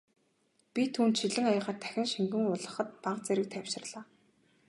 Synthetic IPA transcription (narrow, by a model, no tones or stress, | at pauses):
pʲit̪ʰuːnt̪ʃiɮɘ̆ŋajăʁaːrt̪ʰæ̥xʲɪ̆ŋʃiŋɡɘ̆ŋʊɮʁə̆χə̆t̪̚paqt͡sæɾɪ̆k̚t̪ʰæwʲʃɪ̆rɮaː